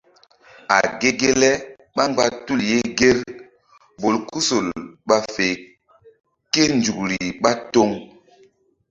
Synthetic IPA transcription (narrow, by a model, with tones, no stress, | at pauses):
a̰˨ɡe˦ɡe˦lɛ˦ | ɓa˦ŋɡ͡ba˦tu˦˨lje˦ɡe˦ɾ | bo˨lku˦so˨lɓa˦fe˨ | ke˦nd͡ʒu˨kɾi˨ɓa˦to˦ŋ